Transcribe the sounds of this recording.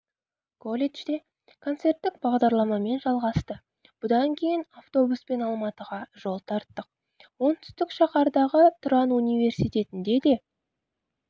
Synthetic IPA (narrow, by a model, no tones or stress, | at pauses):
kʰo̞lʲeʒd̪e̞ | kʰo̞nt̪se̞rt̪ːɪk̚bɑʁd̪ɑɾlˠɑmɑme̞nʒɑlˠʁɑst̪ə | b̥ʊd̪ɑŋkʲʰe̞jɪnaft̪o̞buspe̞nɑlˠmɑt̪əʁɑʒ̥o̞lˠt̪ʰɑɾt̪ːəq̚ | wo̞nt̪ʰʏ̥st̪ɪkʃɑqɑɾd̪ɑʁət̪ʰʊɾɑnunijve̞rsijt̪e̞t̪ɪnd̪e̞d̪e̞